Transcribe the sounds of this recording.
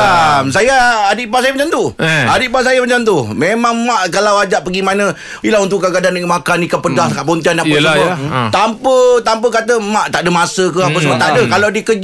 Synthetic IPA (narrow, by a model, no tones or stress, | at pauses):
amsajaːdiʔpas̬ajamat͡ʃamt̪uadiʔpasajamət͡ʃant̪umemaŋmaʔkalawad͡ʒaʔpəɡimanə̃ | ilaunt̪ʊʔkaɡadanimakanikapədahkaʔpɔnt̪ianapasəət̪ampət̪amp̬əkat̪əmaʔt̪aʔdəmasəkəapəsəbət̪aʔdəkalawdikəd͡ʒ